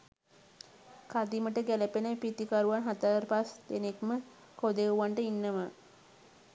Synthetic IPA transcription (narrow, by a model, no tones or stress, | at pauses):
kad̪iməʈəɡæləpenəpit̪ikaɾuʋanɦat̪aɾpasd̪enekmə | kod̪euʋaɳʈəinːəmə